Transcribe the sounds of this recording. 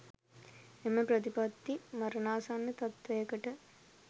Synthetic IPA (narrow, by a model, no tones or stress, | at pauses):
emɐpɾɐt̪ipɐt̪ːimɐɾɐnaːsanːɐt̪ɐt̪ʋɐjɐkɐʈə